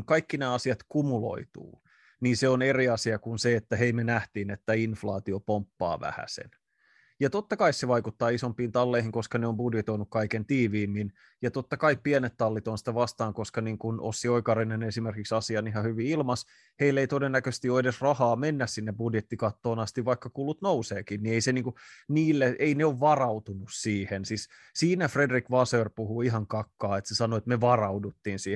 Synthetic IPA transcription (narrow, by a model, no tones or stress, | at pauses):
ŋkɑikːinæːɑsiɑt̪kumulo̰it̪ṵː | ninseoneriɑsiɑkunseet̪ːæɦeimenæht̪iːnet̪ːæinflɑ̰ːt̪iopompːɑ̰ːʋæ̰hæ̰sḛn | jɑt̪ot̪ːɑkɑissːeʋɑikut̪ːɑːisompiːnt̪ɑlːeihiŋko̞skɑneombudjet̪o̞inukkɑikent̪iːʋiːmːin | jɑt̪ot̪ːɑkɑippienet̪t̪ːɑlːit̪onsi̥t̪æʋɑst̪ɑːŋko̞skɑniːŋkunʔo̰sːioikɑrinenesimerkiksɑsiɑniɦɑhyʋiilmɑs | heilːeit̪odenːækøst̪ioedesrɑhɑːmenːæssinːebudjet̪ːikɑt̪ːoːnɑst̪iʋʋɑikːɑkulːut̪nouseːkinnieiseniːŋkuniːlːeʔeineoʋʋɑrɑut̪unussiːhensis | siːnæfredrikʋɑsøːrpuhuiɦɑŋkɑkːɑːet̪sesɑnoet̪meʋɑrɑudut̪ːiːnsiːe